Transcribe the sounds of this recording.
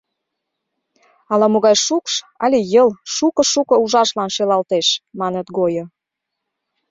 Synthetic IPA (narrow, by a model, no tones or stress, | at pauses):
ɑlɑmoɣɑjʃukʃ | ɑ̰lʲejəlʃukɤ̆ʃukɤ̆uʒɑʃlɑnʃelɑlt̪eʃmɑnət̪ɡojo